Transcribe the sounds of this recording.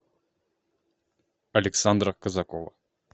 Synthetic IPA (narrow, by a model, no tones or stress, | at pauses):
ɐlʲɛksand̪ɾɐkɐzɐkɔvɐ̰